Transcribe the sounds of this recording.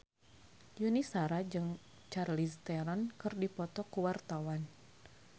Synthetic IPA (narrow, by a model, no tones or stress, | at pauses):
junisaɾad͡ʒɨŋ | t͡ʃarlist̪ɛɾɔnkɨrdipɔt̪ɔkuwart̪awan